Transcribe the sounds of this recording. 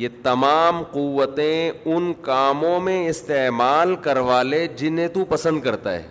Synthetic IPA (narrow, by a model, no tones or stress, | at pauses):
jeːt̪ɐmaːmqʊʋːət̪ẽʊnkaːmõmẽɪst̪eːmaːlkɐɾʋaːled͡ʒɪnɦẽt̪upɐsə̃nd̪̚kɐɾt̪a̰ɦɛ̰ː